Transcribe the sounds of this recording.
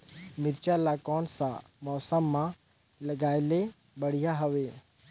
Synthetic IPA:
mɪɾt͡ʃalaːkɔːnsã̰ | mɔːsəmːã | lɐɡaːɪle | bɐɽ̤ijaɦɐʋeː

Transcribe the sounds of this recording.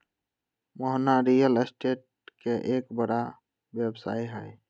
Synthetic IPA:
mɔɦnaɾijəlesʈeʈ̚keʔekbəɽa | bjebsa̰ːiɦɛj

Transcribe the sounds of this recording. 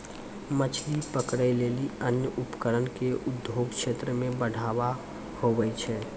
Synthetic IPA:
mət͡ʃʰlipəkɾəɪleliənjəʔupkəɾənkeʔʊd̪ʱoɡkt͡ʃʰet̪ɾəmẽbəɽ̤ʱaba | hobɛt͡ʃʰɛ

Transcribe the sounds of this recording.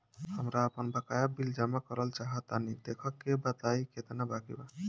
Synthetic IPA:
amɾaːpɔnbakajabild͡ʒamakɔɾalt͡ʃaɦat̪anid̪ekʰɔkːebat̪ajkʰet̪enabakḭba

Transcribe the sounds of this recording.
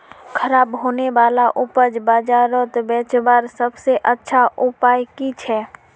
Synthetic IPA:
kʰəɾaːbɦoːneʋaːlaʔʊpəd͡ʒbaːd͡ʒaːɾot̪bɛːt͡ʃbaːɾsəbseʔətːʃʰaʔʊpaːjkit͡ʃʰɛː

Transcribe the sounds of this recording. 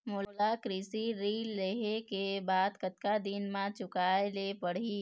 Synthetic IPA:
moːlakɾiːsiɾiːlːeːɦekebaːd̪kət̪kad̪ɪnmãt͡ʃʊkaːelepəɽ̤iː

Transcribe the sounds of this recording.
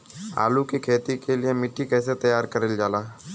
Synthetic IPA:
a̰ːlukikʰeːt̪ikeliemɪʈʰːikɛːset̪ɐjaːɾkəɾeld͡ʒaːlaː

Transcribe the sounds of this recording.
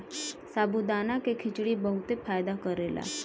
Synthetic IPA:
sabud̪anakekʰit͡ɕɽiːbəɦut̪efajd̪akəɾela̰

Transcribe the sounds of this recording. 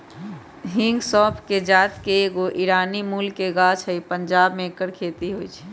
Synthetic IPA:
ɦĩŋɡsɔ̃ːpʰked͡ʒaːt̪keːɡoʔiɾaːnimuːlkeɡaːt͡ʃʰəipəɲd͡ʒaːbmẽkəɽkʰeːt̪iɦoit͡ʃʰɛ̥

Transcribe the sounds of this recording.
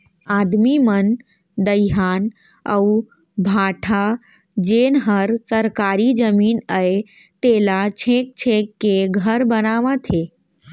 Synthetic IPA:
aːd̪mimən | d̪əjɦaːn | ə̰u | bʱaʈʰa | d͡ʒeːnɦəɾsəɾkaɾid͡ʒəmiːnəe | t̪elat͡ʃʰek̚t͡ʃʰekːeɡʱəɾbənaʋãt̪ʰe

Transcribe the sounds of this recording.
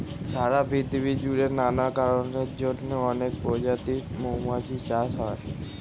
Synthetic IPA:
saɾabʱit̪ibid͡ʒuɾenanakaɾɔned͡ʒoʈneɔnek̚pɔd͡ʒat̪imomat͡ʃʰit͡ʃasɦɔj

